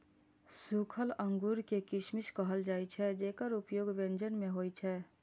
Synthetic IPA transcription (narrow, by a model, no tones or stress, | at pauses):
sukʰələ̃ŋɡuɾkekɪʃmiʃkəɦəld͡ʒaːit͡ʃʰɛd͡ʒeːkəɾupjoːɡʋẽnd͡ʒənmẽɦoːit͡ʃʰɛː